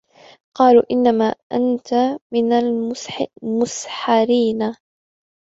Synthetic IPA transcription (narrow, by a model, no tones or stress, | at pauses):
qɑːluːʔɪnːamaːʔant̪amɪnalmsmʊsħaɾiːna